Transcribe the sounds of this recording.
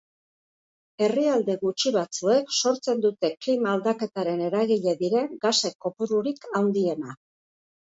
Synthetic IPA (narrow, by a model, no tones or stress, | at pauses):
e̞riald̪e̞ɣut͡ʃiβat͡sue̞kso̞ɾt͡se̞nd̪ut̪e̞klimaːld̪ake̞t̪aɾe̞ne̞ɾaɣiʎe̞ðiɾe̞ŋɡase̞kːo̞puɾuɾikʰawnd̪ie̞na